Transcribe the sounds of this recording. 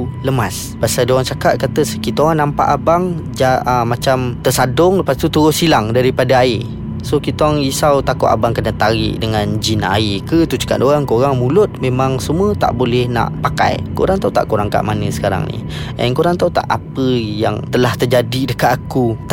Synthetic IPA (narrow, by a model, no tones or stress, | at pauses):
ləmas | basadoaŋt͡ʃakat̪̚kat̪əsəkit̪oaŋnampa̰ʔabaŋd͡ʒamat͡ʃamt̪əsadʊŋləpast̪ut̪əɾʊsilaŋdaɾipadaae | sokit̪oaŋisawt̪akʊʔ̪a̰baŋkənət̪aɾɪ̰ʔdəŋand͡ʒina̰ekət̪ut͡ʃə̥ka̰ʔ̚doɣaŋkoɾaŋmulʊt̪̚memaŋsəmuət̪a̰ʔbolɛhna̰ʔpaka̰jko̰ɾaŋt̪aut̪a̰ʔkuɾaŋka̰ʔmanəsə̥kaɾa̰ŋnḭ | ʔə̰nkoɾaŋt̪aut̪a̰ʔapəjaŋt̪əlaht̪ərd͡ʒadidəkaakut̪